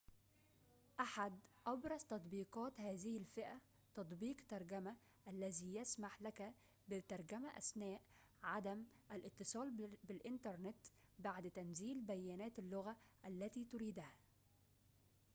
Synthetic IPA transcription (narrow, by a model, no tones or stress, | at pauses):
ʔaħad̪ʔɑbɾˤɑzt̪ɑt̪ˤbiːqɑːt̪hæːzɪhɪlfɪʔæ | t̪ɑt̪ˤbiːqt̪ɑɾˤɡæma | ʔælːæziːjasmaħlækæ | bɪt̪ɑɾˤɡæmaʔæ̰snæːʔ | ʕad̪æm | ʔælʔɪt̪ːɨsˤɑːlbɪlʔɪnt̪ɑɾˤnɪt̪baʕd̪t̪ænziːlbæjːænæːt̪ɪlːʊɣaʔælːæt̪iːt̪ʊɾiːd̪hæ